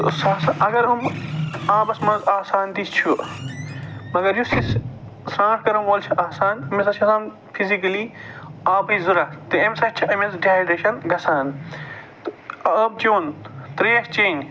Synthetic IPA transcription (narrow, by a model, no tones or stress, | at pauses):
sɐsɐʔɐɡɐɾɐmaːbɐsmɐzaːsaːnt̪ist͡ʃʰu | mɐɡɐɾjusis | sɾãːʈ̚kɐɾɐmʋoːlt͡ʃʰiʔaːsaːnmɐs̬ɐt͡ʃʰɐsaːn | pʰizikɐliaːbɐizuɾɐt̪ɨemsɐʃt͡ʃʰiɐmɐsɖiaːɖeʃɐnɡɐsaːn | t̪ɐɐb̚t͡ʃoːnt̪ɾeːɐst͡ʃeːn